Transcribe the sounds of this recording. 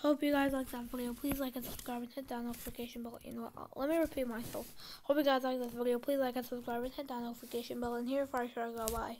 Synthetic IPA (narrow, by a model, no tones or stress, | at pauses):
hoʊpjɨɡaɪzlaɪk̚ðatvɪɾioʊpʰl̥izlaɪkɨtsəb̥skɹaɪbɨ̃nsɪt̚d̥ãʊ̃noʊfɨkʰeɪʃɨ̃nbɪlˠjɨ̰no̰lɛt̚miɹɨpʰit̚maɪsɛ̰lˠfhoʊpjɨɡaɪzlaɪk̚ðɨtvɪɾioʊpʰl̥izlaɪkɨsəb̥skɹaɪbɨ̃nsɪt̚d̥ãʊ̃noʊflikʰeɪʃɨ̃nbɪlˠə̃nhiɹfə˞aʃəɹaɪɡoʊbaɪ